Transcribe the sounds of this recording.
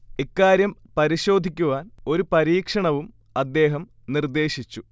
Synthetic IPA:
ekːaːɾjɐmpɐɾiɕo̞ːd̪ʱikʲːuʋaːno̞ɾupɐɾiːkʂɐɳɐʋum | ɐd̪ːe̞ːɦɐm | nird̪e̞ːɕit͡ɕːu

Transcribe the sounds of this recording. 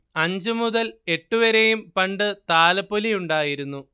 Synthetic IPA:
ɐɲd͡ʑɨmuðɐle̞ʈːuʋɐɾejumpɐɳɖɨt̪aːlɐpːolijuɳɖaːjiɾunːu

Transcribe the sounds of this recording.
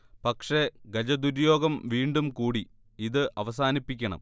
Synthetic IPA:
pɐkʂe̞ɡɐd͡ʑɐd̪uɾujo̞ːɡɐmʋiːɳɖumkuːɽi | iðɨʔɐʋɐs̬aːnipːikʲːɐɳɐ̰m

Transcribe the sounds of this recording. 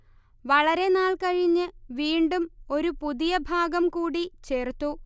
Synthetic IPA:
ʋɐɭɐɾe̞naːɭkɐɻiɲːɨʋiːɳɖumo̞ɾupuðijɐbʱaːɡɐmkuːɽit͡ɕe̞ːrt̪ːu

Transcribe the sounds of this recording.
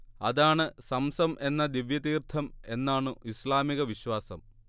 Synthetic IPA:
ɐðaːɳɨsɐmsɐmʔe̞nːɐd̪iʋjɐt̪iːrt̪ʰɐme̞nːaːɳɨʔislaːmiɣɐʋiɕwaːsɐm

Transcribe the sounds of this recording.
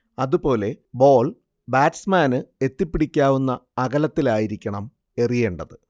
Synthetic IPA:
ɐðupo̞ːle̞bo̞ːl | baːʈsmaːnɨe̞t̪ːipːiɽikʲːaːʋunːɐːɣɐlɐt̪ːilaːjiɾikʲːɐɳɐm | e̞rije̞ːɳɖɐðɨ

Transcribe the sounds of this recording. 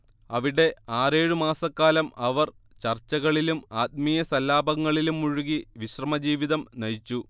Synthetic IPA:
ɐʋiɽe̞aːre̞ːɻumaːsɐkːaːlɐmɐʋɐr | t͡ɕɐrt͡ɕːɐɣɐɭilumaːt̪̚mijɐsɐlːaːbɐŋːɐɭilumːuɻuɣiʋiɕrɐmɐd͡ʑiːʋiðɐmnɐɻit͡ɕːu

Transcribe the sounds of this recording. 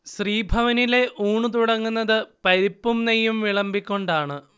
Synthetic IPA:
ɕriːbʱɐʋɐnile̞ʔuːɳɨt̪uɽɐŋːunːɐðɨpɐɾipːumnejːumʋiɭɐmbikʲːo̞ɳɖaːɳɨ

